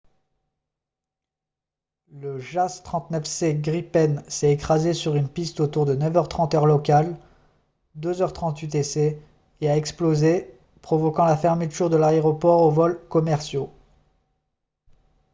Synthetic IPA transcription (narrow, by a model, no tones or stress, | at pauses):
ləʒast̪χɑ̃t̪nœfseɡʁipɛnsɛt̪ekχazesyʁynpist̪ot̪uʁd̪ənœvœʁt̪χɑ̃t̪œʁlɔkal | d̪øzœʁt̪χɑ̃t̪yt̪ese | eaɛksploze | pχɔvɔkɑ̃lafɛʁmət̪ʰyʁd̪əlaeʁɔpɔʁovɔlkɔmɛʁsjo